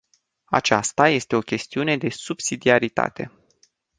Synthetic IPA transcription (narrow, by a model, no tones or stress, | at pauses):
a̰t͡ʃast̪aje̞st̪e̞o̞kʲe̞st̪iune̞d̪e̞subsid̪iaɾit̪a̰t̪e̞̰